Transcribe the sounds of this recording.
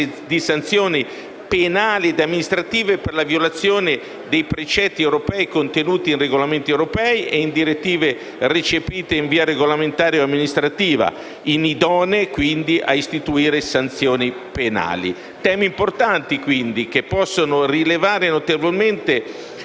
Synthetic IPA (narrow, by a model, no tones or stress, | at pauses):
d̪isant̪sjoːni | penaːlid̪amːinist̪ɾat̪iːveperlavjolat̪sːjoːne | d̪ejpɾet͡ʃɛt̪ːiɛwɾopɛikont̪enuːt̪iːnreɡolament̪iewɾopɛːiʔeind̪iɾet̪ːiːve | ret͡ʃepiːt̪eiɱviːaɾeɡolament̪aːɾjoamːinist̪ɾat̪iːva̰ | inid̪ɔːnekwind̪iʔaist̪it̪uiːɾesant̪sjoːni | pena̰ːlḭ | t̪ɛːmiimport̪ant̪ikwind̪ikepːɔsːonorilevaːɾenot̪evolment̪e